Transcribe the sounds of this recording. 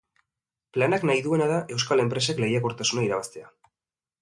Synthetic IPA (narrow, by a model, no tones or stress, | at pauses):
planaknajðue̞naðaʔe̞wskale̞mpɾe̞sakle̞jako̞ɾt̪asunaiɾaβ̞ast̪e̞a